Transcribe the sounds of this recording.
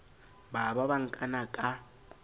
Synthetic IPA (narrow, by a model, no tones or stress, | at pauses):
baβaβaŋ̩kʼanakʼa